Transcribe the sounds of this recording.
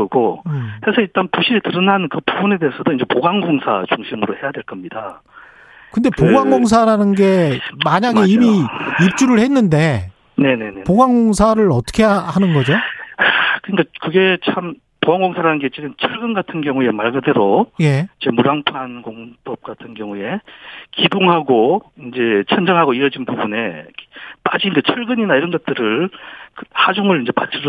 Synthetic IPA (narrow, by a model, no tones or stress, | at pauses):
ʌɡohe̞sʰʌiɭt͈anpuɕʰiɾetɯɾʌnanɯnkɯpubune̞deːsʰʌdoind͡ʑe̞poɡaŋɡoŋsʰa̰t͡ɕuŋɕʰimɯɾohe̞jadwe̞ɭk͈ʌmɲida̰ | kɯnde̞poɡaŋɡoŋs̬ʰaɾanɯnɡe̞maɲaɡe̞imiip̚t͡ɕ͈uɾɯɭhe̞nːɯnde̞ | ne̞ne̞nepoɡaŋɡoŋs̬ʰaɾɯɾʌt͈ʰʌ̥kʰe̞ahanɯnɡʌd͡ʑo | kɯɲikakɯɡe̞t͡ɕʰam | powaŋɡoŋsʰaɾanɯnɡet͡ɕ͈ʰidɯnt͡ɕʰɯɭɡɯnɡatʰɯnɡjʌŋue̞maɭɡɯde̞ɾoje̞id͡ʑemuɾaŋpʰankoŋbʌp̚k͈atʰɯnɡjʌŋue̞kidoŋɦaɡoind͡ʑe̞t͡ɕʰʌnd͡ʑʌŋɦaɡoiɾʌd͡ʑinbubune̞̰ | pad͡ʑiːnd͡ʑe̞t͡ɕʰʌɭɡɯɲinaiɾʌnɡʌt̚t͈ɯɾɯɭkhad͡ʑuŋɯɾind͡ʑe̞pa̰t͡ɕʰiɾ